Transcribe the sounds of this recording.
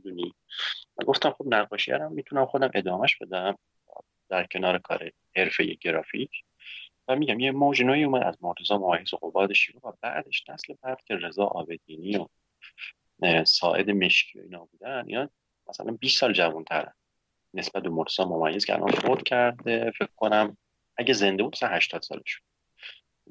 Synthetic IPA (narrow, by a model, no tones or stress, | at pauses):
d̪uni | væ̰ɡo̞ft̪æmχobnæɣːɒːʃijæ̰ɾæmːit̪ʰunæmχo̞d̪æmʔe̞d̪ɒːmæʃb̥e̞d̪æm̰ | d̪̥æɾcʰe̞nɒːɾekʰɒ̰ːɾe | heɾfe̞jeɟeɾɒːficʰ | væmiːɟæmjemod͡ʒnoːiːuːmæd̪æzmoɾt̪ʰezɒːmomæjːezoɣo̞bɒːd̪eʃeɡovæbæ̰ʔd̪e̞ʃnæslebæd̪̥cʲʰe̞re̞zɒːʔɒːbe̞d̪iːniːo | sɒ̰ːʔe̞̰d̪eme̞ʃcʰiːjo̰ḭːnɒːbuːd̪ænḭnɒː | mæsæ̰lʔænbissɒːld͡ʒævunt̪ʰæɾæ̰n | ne̞sb̥æt̪̚be̞moɾt̪ʰezɒːmo̞mæjːe̞z̥cʰɛ̰æ̰lʔɒ̰nfoɾt̪cʰæɾd̪efekkʰːonæm | æɟæze̞nd̪eud̪̚mæsænhæʃt̪ɒːd̪sɒ̰ːleʃud̪